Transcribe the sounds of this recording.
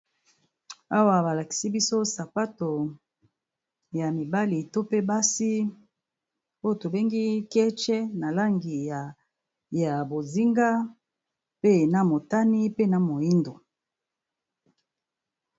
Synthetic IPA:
a˦wa˨ba˨la˨ki̥˨si˦bi˦so˦sa˨pa˦to˨ | ja˨mi˨ba˦li˨to˦pe˦ba˦si˦ | o˦jo˨to˨be˦ŋɡi˦kɛ˦t͡ʃɛ˦na˨la˦ŋɡi˨ja˨ | ja˨bo˨zi˦ŋɡa˦ | pe˦na˨mo˨ta˦ni˦pe˦na˨mo˨i˦ndo˨

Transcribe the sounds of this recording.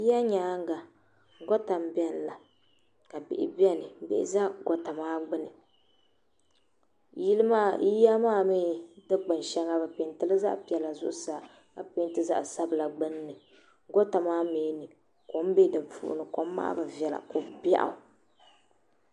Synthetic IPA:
ji˦ja˦ɲaː˨˦ŋ˦ɡa˨ | ɡɔ˦ta˨m˦bɛ˦n˨la˨ | ka˨bɪ̰˨ʔɪ˨bi˦ɛ˦nɨ˨bɪ̰˨ʔɪ̰˨za˦ɡɔ˦ta˨maː˦ɡ͡bɨ˦nɨ˨ | ji˦lɨ˦ma˦i˦ja˦maː˦mi˦dɨ˦ɡ͡bɨ˨n˨ʃɛ˦ŋa˦bɨ˨pe˨ntɨ˦lɨ˦za˦ʔpi˨ɛ˨la˨zʊ̰˦ʔʊ˦sa˨ | ka˨pe˦n˦tɨ˦za̰˦ʔsa˦bɨ˨la˨ɡ͡bɨ˦nː˦ɨ˨ | ɡɔ˦ta˨maː˦meː˨˦nɨ˨ | ko˨m˦be˦dɨ˨fṵ˨ʔʊ̰˨nɨ˨ko˨m˦ma̰ː˦bɨ˨vɛ˨la̰˨ko˨ba̰˦ʔa̰˨

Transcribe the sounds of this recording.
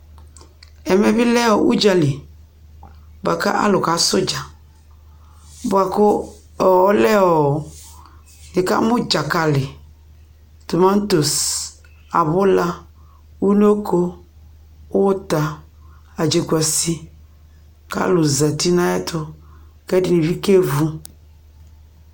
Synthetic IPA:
ɛ˨mɛ˨bɪ˦lɛ˦ɔ˨ʔṵ˦d͡ʒa˦lɪ˨ | ba˨ka̰˦ʔa̰˦lʊ˨ka˨sʊ˦d͡ʒa˨ | bʊ˨a˨kʊ˦˨ | ɔ˦lɛ˦ɔ˨ | nɪ˨ka̰˦mʊ˦d͡ʒa˨ka˨lɪ˨ | to˨mã˦n˦to˨s | a̰˨bʊ˦la˦ | wu˦no˦kʰo˦ | wo˦ta˨ | a˨d͡ʒe˨kwa˨si˦ | ka̰˦lʊ˨za˨ti˦nã˦ɛ˦tʰʊ˦ | kɛ˦di˨ni˨vi˦ke˦vu˦

